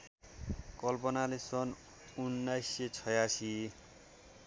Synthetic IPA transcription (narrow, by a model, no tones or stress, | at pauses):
kʌlpʌnalesʌn | unːajset͡sʰʌjasi